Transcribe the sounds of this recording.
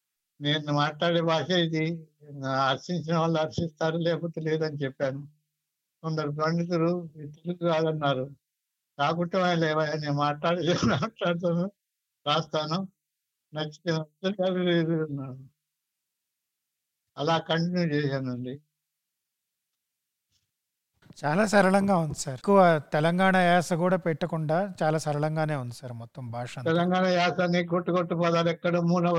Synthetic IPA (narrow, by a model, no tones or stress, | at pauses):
ne̞ːnːumaːʈlaːɽeːbaːʂejid̪i | ɐɾsiɲt͡ʃinɐʋaːɭːuɐɾsist̪aːɾuleːpɐt̪ɐleːd̪ɐnit͡ʃɛpːaːnu | sond̪ɐɾupɐɳɖit̪uɾuit̪ɐɾukukaːd̪ɐnːaːɾu | kaːkuɳʈːɐmɐːnlɛːʋajaneːnmaːʈlaːɽid̪maːʈlaːɽt̪̬aːnu | ɾaːst̪aːnu | nɐt͡ʃːi̥t̪inɐd̪ɐɾiɡaːɾiɾid̪uɐnːaːnu | ɐlaːkɐɳʈinjuːt͡ʃɛːsaːnɐɳɖi | t͡ʃaːlaːsɐɾɐɭɐŋɡaːund̪isaɾkːuʋɐt̪ɛlɐŋɡaːɳɐjaːsɐkuːɽaːpɛʈːɐkuɳɖaːt͡ʃaːlaːsɐɾɐɭɐŋɡaːne̞ːund̪isɐɾmɔt̪ːɐmbʱaːʂɐnɛlɐŋɡaːɳɐjaːsanːikoʈːukoʈːupɔːt̪aːɾɛkːɐɽɐmuːnɐ